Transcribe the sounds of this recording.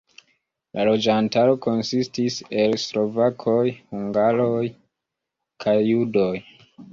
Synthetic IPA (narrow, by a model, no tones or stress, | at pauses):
lʔalo̞d͡ʒantaɾo̞ko̞nsistise̞lslo̞vakʰo̞jhuŋɡaɾo̞j | kʰajːudo̞j